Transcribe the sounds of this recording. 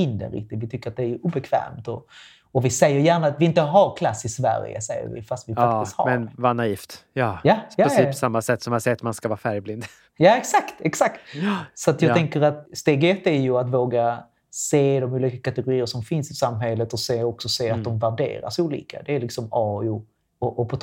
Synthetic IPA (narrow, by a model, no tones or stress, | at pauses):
ɪnːd̪ɛ̰nɾɪ̰k̚t̪ɪt̪vɪt̪ʰʏkːəɾat̪̚d̪ɛæjʔuːbɛkʰv̥ɛ̰ːmt̪ɔ | ɔvɪsɛjːəɾjæːɳaːt̪vɪɪnt̪əɦaɾkʰlasːɪsvæ̰ɾjə̰sɛjːə̰ɾvɪ̰fast̪vɪfakːtɪkt̪ha̰mɛɾnvanaiːft̪jɑːjajɑsiːsamːasɛt̪ːsɔmjansɛt̪manskavɑːɾfæɾjblɪnd̪ | jaːɛksakt̪ɛksak̚t̪sɔat̪jɑɡ̪ʰɛŋkəɾat̪st̪eːɡɛt̪ːæɾjɵat̪voːɡa | seːd̪ɔmuːlikakat̪ɛɡʊɾiːəʂɔmfɪnsɪsamːɦɛlːət̪ɔseːɔksɔseːat̪̚d̪ɔmvæɖḛːɾa̰ʂuːlḭːka̰d̪ɛːlɪksɔmɑːʊ | ɔʔɔpʰɔt̪